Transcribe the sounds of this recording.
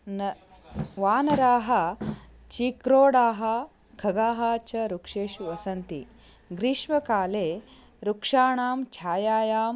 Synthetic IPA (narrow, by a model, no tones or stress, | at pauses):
nɐ | ʋaːnɐɾaːɦɐ̆ | t͡ʃikɾoːɽaːɦɐ | kʰɐɡaːɦaːt͡ʃɐɾukʂeːʃuʋɐsɐnt̪ḭ | ɡɾiʃʋɐkaːleː | ɾukʂaːɳaːmt͡ʃʰaːjaːjaːm